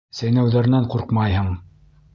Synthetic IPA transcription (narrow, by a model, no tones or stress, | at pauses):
sæjnæwðæɾ̆næɴquɾqmɑjɦɤɴ